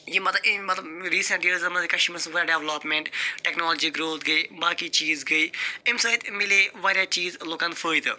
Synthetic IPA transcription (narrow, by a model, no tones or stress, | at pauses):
jiːmɐt̪lmɐt̪ləbɾiːsə̃ɳʈɖiəlɪzəmikɐʃməsʋɖɛːʋləpmẽɳʈʈɛːknoːld͡ʒiːɡɾoːt̪ʰɡəiːbaːkiːt͡ʃiːzɡəiːɪmsaːjt̪mɪleːʋaːɾjaːt͡ʃiːzloːkãnd̪fʰəːiːt̪ː